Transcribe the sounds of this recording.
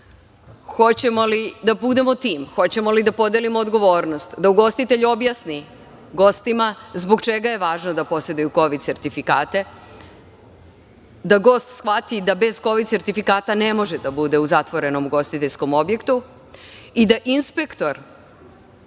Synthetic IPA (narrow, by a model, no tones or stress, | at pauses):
xo̞t͡ɕemo̞lid̪abud̪e̞mot̪iːmxo̞t͡ɕe̞mo̞lid̪apo̞d̪elimoːd̪ɡo̞ʋo̞ːɾnost̪d̪auɡo̞st̪it̪e̞ʎuo̞bjasni | ɡo̞st̪imazboɡt͡ʃe̞ɡaje̞ʋaːʒno̞d̪apo̞se̞d̪ujuko̞ʋid̪̚se̞ɾt̪ifika̰ːt̪e̞ | d̪aɡo̞ːst̪sxʋat̪id̪abe̞z̥ko̞ʋid̪se̞ɾt̪ifikaːt̪ane̞mo̞ʒed̪abud̪e̞uzat̪ʋo̞ɾe̞no̞muɡo̞st̪it̪eʎʲsko̞mo̞bje̞kt̪u | id̪aʔinspe̞kt̪o̞ɾ